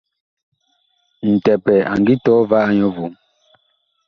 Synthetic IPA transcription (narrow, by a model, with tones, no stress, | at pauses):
n̩˨tɛ˨pɛ˨a̰˨ŋ˨ɡi˦tɔː˦va˦ʔa˦ɲɔ˦vu˨m